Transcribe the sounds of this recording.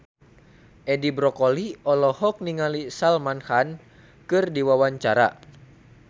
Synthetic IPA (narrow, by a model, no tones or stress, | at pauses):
ʔɛdibɾɔkɔliɔlɔhɔk̚niŋalisalmanhan | kɨrdiwawaɲt͡ʃaɾa̰